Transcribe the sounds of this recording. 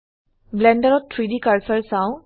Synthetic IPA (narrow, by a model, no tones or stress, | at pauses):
blɛndəɹɔttʰɹidikaɹsəɹsãw̃